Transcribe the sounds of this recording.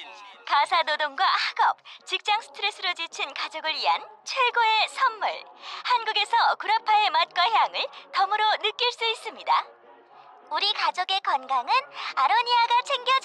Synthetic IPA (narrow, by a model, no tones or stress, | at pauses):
kasʰanodoŋɡwahaɡʌp̚t͡ɕik̚t͡ɕ͈aŋsʰɯ̥tʰɯɾesʰɯɾod͡ʑit͡ɕʰinkad͡ʑoɡɯɾɥiɦa̰nt͡ɕʰwe̞ɡoe̞sʰʌmːṵɭhanɡuɡe̞sʰʌkuɾapʰaemat̚k͈waçjaŋɯɭtʌmɯɾonɯk͈iɭs͈uis͈ɯmɲida | uɾikad͡ʑoɡe̞kʌnɡaŋɯnaɾʌɲiaɡat͡ɕʰeŋɡjʌd͡ʑ